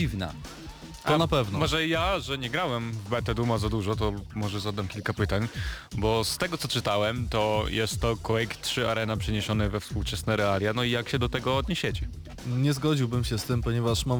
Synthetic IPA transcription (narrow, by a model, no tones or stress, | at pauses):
ivna̰ | ɔnapɛvnɔmɔʐɛjaʐɛɲɛɡɾawɛmvbɛt̪ɛd̪umazad̪uʐɔt̪ɔmɔʐɛzad̪amkʲilkapɘt̪aɲbɔst̪ɛɡɔt̪sɔt͡ʂɘt̪awɛmt̪ɔjɛst̪ːɔkɔwɛjkt̪ʂɘaɾɛnapʂɛɲɛɕɔnɛvɛfspuwt͡ʂɛsnɛɾɛalʲjanɔijakɕɛd̪ɔt̪ɛɡɔːd̪ɲeɕet͡ɕɛ | ɲɛzɡɔd͡ʑiwbɘmɕɛst̪ɘmpɔɲɛvaʂmam